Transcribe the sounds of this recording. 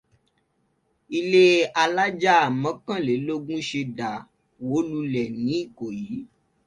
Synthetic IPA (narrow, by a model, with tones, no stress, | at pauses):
i˧le˦a˧la˦d͡ʒa˦a˨mɔ̃˨˦kã˦˨le˨˦lo˦ɡũ˦ʃe˧da˨ | wo˨˦lu˧lɛ˨nĩ˨˦i˦˨ko˨jiː˨˦